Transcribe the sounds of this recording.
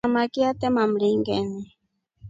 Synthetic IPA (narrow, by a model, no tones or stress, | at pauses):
amakiat̪emamliŋɡeni